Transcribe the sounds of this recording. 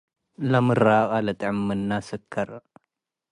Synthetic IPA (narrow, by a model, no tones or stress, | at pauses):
lɐmɨraχʼalɐt̪ʼʕɨmːɨnːasɨkʰːɐɾ